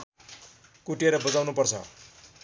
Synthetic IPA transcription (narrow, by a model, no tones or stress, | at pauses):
kuʈeɾʌbʌd͡zawnupʌrt͡sʰʌ̰